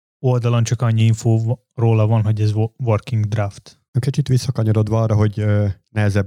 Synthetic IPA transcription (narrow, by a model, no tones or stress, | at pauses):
o̞ld̪ɒlɒnt͡ʃɒkɒɲːiiɱfoː | roːlɒvɒnɦo̞ɟɛzʋorkiŋɡd̪raft̪ | økit͡ʃit̪ʋisːɒkɒɲoɾod̪ʋɒɒːrːɒɦo̞ɟønɛɦɛzɛb